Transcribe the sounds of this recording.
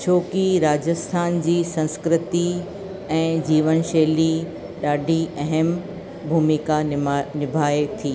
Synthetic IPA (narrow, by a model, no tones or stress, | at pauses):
t͡ɕʰoːkiɾaːd͡ʑəst̪ʰaːnd͡ʑiːsɐ̃nskɾɪt̪i | ɛ̃ːd͡ʑiːʋənʃeːli | ɗaːɖʱiʔɐɦəm | bʱuːmikanɪbʱaːet̪ʰiː